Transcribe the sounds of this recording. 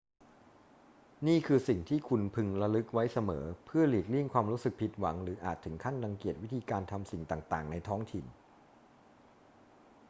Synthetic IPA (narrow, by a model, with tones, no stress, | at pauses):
niː˥˩kʰɯː˧si˨˩ŋt̪ʰiː˥˩kʰu˧npʰɯ˧ŋɾa˧lɯ˦˥k̚wa˦˥jsa˧mɤː˩˦pʰɯ˥˩ɐliː˨˩k̚li˥˩əŋkʰwaː˧mɾuː˦˥sɯ˨˩k̚pʰi˨˩t̪̚wa˩˦ŋɾɯː˩˦ʔaː˨˩t̪ʰːɯ˩˦ŋkʰa˥˩nla˧ŋki˨˩ət̪̚wi˦˥t̪ʰiː˧kaː˧nt̪ʰa˧msi˨˩ŋt̪aː˨˩ŋt̪aː˨˩ŋna˧jt̪ʰɔː˦˥ŋt̪ʰi˨˩n